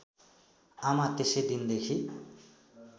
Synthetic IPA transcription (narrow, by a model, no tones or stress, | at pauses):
amat̪esed̪ind̪ekʰi